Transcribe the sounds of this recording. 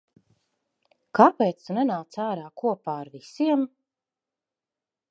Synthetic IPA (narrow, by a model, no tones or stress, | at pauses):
kapeːt̪st̪unɛnaːt̪saːɾaːkuɔpaːaɾvisiɛm